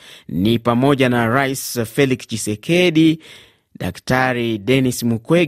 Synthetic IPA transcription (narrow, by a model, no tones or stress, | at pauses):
nipamɔʄanaɾaisfɛlikst͡ʃisɛkʰɛɗi | ɗa̰ktaɾiɗɛnismukwɛ